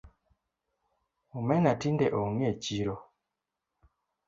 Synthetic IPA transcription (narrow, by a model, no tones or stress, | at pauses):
umɛnatindeʔoŋeciɾo